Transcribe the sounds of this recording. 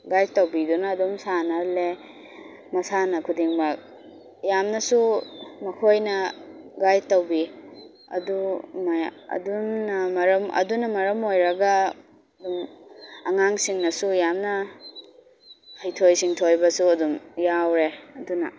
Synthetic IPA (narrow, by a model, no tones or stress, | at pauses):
ɡajtɐwbidunɐːdumsanɐle | mɐsanɐkʰudiŋbɐk̚ | jamnɐsumɐkʰojnɐɡajtɐwbi | ɐ̰dumajɐ̰dumnɐmɐɾɐmɐ̰dunɐmɐɾɐmojɾɐɡɐ | ɐdumɐŋaŋsiŋnɐsujamnɐ | hɐjtʰojsiŋtʰojbɐsuɐdumjawɾeɐdunɐ̰